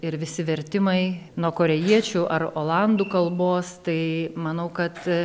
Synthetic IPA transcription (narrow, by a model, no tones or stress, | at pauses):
ɪɾʋʲɪsʲɪʋʲɛɾʲt̪ʲɪmɐɪnuɔkoːɾʲɛjiɛt͡ʃʲuʔɐɾoːlˠɐnd̪uːkɐlˠboːst̪ɐɪmɐnɐʊkɐt̪